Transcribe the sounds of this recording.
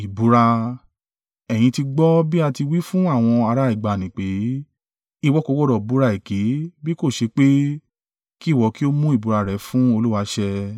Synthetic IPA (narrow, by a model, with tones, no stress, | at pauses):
i˨bu˨˦ɾa˧ | ɛ˨j̃ĩ˧ti˧ɡ͡bɔ˦bi˦a˧ti˧wi˦fũ˦a˦˨w̃ɔ̃˧a˧ɾa˧i˨ɡ͡ba˨nĩ˨k͡pe˨˦ | i˦˧wɔ˦ko˨˧˦wɔ˦˨ɾɔ˨bu˨˦ɾa˧i˨ke˨˦bi˦ko˦˨ʃe˧k͡pe˦ | ki˦˨wɔ˧ki˦o˦mũ˦i˦˨bu˨ɾa˧ɾɛ˨˦fũ˦o˧lu˦wa˧ʃɛ˧